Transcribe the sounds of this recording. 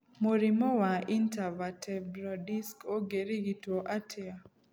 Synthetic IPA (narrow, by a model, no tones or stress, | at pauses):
moɾimɔwaintavatʰɛbɾɔdiskoɡeɾiɡitwoʔatʰɪa